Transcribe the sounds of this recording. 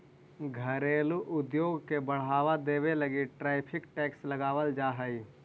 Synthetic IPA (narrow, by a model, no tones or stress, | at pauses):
ɡʱəɾeːluʔʊd̪joːɡkebəɽ̤aːʋad̪eːʋeləɡiʈɾaːɪpʰɪkʈɛːksləɡaːʋəld͡ʒaːɦəiː